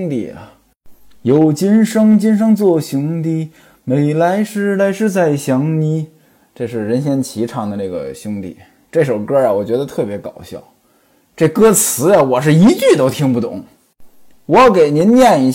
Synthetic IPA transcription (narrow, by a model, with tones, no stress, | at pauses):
ŋt̪ḭ˥˩ə̰˩ | jo˨˩ʊt͡ɕi˥nʂɤ˥ŋt͡ɕi˥nʂ̬ɤ˥ŋt͡swɔ˥˩ɕjʊ˥ŋt̪i˥˩ | me˨˩ɪla˧˥ɪʂɻ̩˥˧la˧˥ɪʂɻ̩˥˧t͡sa˥˩ɪɕjɑ˧˥ŋni˧˥ | ʈ͡ʂɤ˥˧ʂ̬ɻ̩˥˩ɻə˧˥nɕjɛ˥nt͡ɕʰi˧˥ʈ͡ʂʰɑ˧˥ŋd̪ə˧na˥˩ɡə̰˩ɕjʊ˥ŋt̪ḭ˥˩ | ʈ͡ʂɤ˥˩ʂo˨˩ʊkɤ˥ɐ˨˩wɔ˨˩t͡ɕɥɛ˧˥d̪ə˧t̪ʰɤ˥˩pjɛ˧˥kɑ˨˩ʊɕjɑ̰˥˩ʊ | ʈ͡ʂɤ˥˩kɤ˥t͡sʰɹ̩˧˥ja˧wɔ˨˩ʂ̬ɻ̩˥˩i˧˥t͡ɕy˥˩t̪o˥ʊt̪ʰi˧˥ŋpu˥˩t̪ʊ̰˨˩˦ŋ | wɔ˧˥jɑ˥˩ʊke˨˩ɪni˧˥nnjɛ˥˩ni˧˥